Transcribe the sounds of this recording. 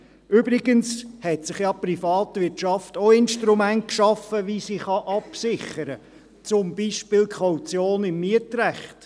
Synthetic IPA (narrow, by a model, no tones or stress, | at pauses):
ʔʏbɾɪɡənshɛtsɪχjɑprifɑːtʋɪt͡ʃɑftoɪnʃtɾumænt̚kʃɑfəʋisiχɑʔɑpsɪχəɾə | t͡sʊmb̥iːʃpɪːlkʰχawt͡sjoːnɪmːiətɾæχt